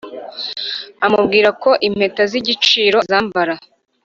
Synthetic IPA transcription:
amubɡiːɾako̞ʔim̥he̞taziɟit͡ʃiːɾo̞zaːmbaɾa

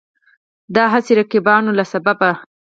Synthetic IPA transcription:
d̪ɑɦaseɾakibɑnolasababa

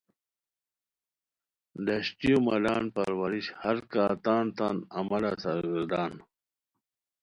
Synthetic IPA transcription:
d̪ɐɕʈijomɐlaːnpɐɾwɐɾiɕhɐɾkaːt̪aːnt̪aːnɐmɐlasaɾɡəɾd̪aːn

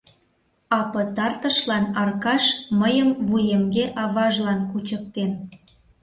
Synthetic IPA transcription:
ɑpə̆t̪ɑrt̪ə̆ʃlɑnɑrkɑʃməjəmβujəmɡeʔɑβɑʒlɑnkut͡ɕək̚t̪en

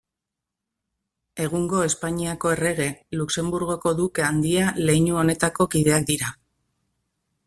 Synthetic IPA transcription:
e̞ɣ̞uŋɡo̞e̞spaɲiako̞e̞re̞ɣe̞lukse̞mbuɾɣo̞ko̞ðuke̞and̪iale̞jɲuo̞ne̞t̪ako̞kiðe̞ak̚d̪iɾa

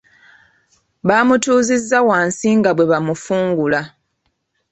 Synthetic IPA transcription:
βaːmutuːzizːawaːnsiŋɡaβwe̞βamufuːŋɡula

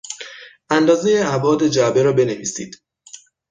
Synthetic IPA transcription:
ʔænd̪ɒːze̞jeæbɒːd̪e̞d͡ʒæbeɾɒːbe̞neviːsḭːd̪̥

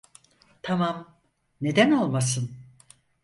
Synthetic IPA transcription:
t̪ʰamam | ne̞d̪ænolˠmas̬ɯn

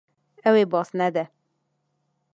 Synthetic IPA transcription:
ɛwebɔsnɛd̪ɛ

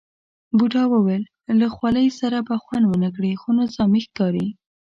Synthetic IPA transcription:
buʈɑwəwelː | axwaləjsaɾabaxwand̪wənək̬ɽixonʊzɑmixkɑɾi

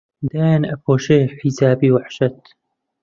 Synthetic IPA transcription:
d̪aːjanɐpʰoːʃeːħisaːbiːwaħʃɐt̪

